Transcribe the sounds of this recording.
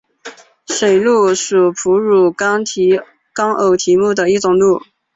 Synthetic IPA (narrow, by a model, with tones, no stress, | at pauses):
ʂe˨˩ɪlu˥˩ʂu˨˩pʰu˧˥ɻu˨˩tʰ | kɑ˥ŋʔo˨˩ʊt̪ʰi˧˥mu˥˩d̪ə˩i˥˩ʈ͡ʂʊ˨˩ŋlu˥˩